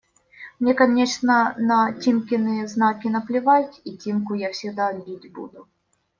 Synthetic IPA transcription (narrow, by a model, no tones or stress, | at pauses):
mnʲekɐnʲeʂnənɐtʲimkʲɪnɨjəznakʲɪnəplʲɪvatʲitʲimkʊjafsʲɪɡd̪abʲitʲbṵd̪ʊ